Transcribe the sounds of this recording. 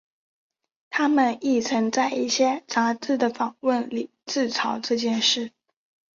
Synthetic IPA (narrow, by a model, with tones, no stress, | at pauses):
t̪ʰa˥mə˨ni˥˩t͡sʰɤ˧˥ŋt͡sa˥˧ɪʔi˥˩ɕjɛ˥t͡sa˧˥t͡sɹ̩˥˩d̪ə˩fɑ˨˩ŋwə˥˩nli˨˩t͡sɹ̩˥˩t͡sʰɑ˧˥ʊʈ͡ʂɤ˥˧t͡ɕjɛ˥˧nʂɻ̩˥˩